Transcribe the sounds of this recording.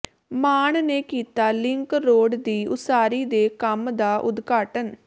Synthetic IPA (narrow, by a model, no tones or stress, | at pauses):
maːɳneːkiːt̪aːlɪŋkɾoːɖd̪iːʊ̰saːɾiːd̪eːkəmd̪aːʔʊd̪ɡaːʈən